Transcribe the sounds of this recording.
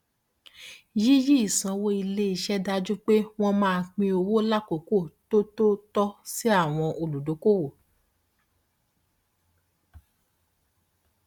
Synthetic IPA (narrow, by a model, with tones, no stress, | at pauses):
ji˦ji˦i˦˨sã˧wo˧i˧le˦i˦˧ʃɛ˦da˧d͡ʒu˦k͡pe˦w̃ɔ̃˦mãː˦˧k͡pĩ˧o˧wo˦la˦˨ko˨ko˦˨to˦to˦tɔ˦si˦a˦˨w̃ɔ̃˧ʔo˨lu˨do˨˦ko˦˨wo˨